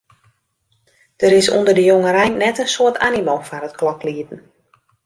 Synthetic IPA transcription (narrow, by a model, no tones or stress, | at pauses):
d̥əɾɪsṵndərdəjoŋəɾɛjnnɛtənsoətʰa̰nimoːfanət̚klɔkliədn̩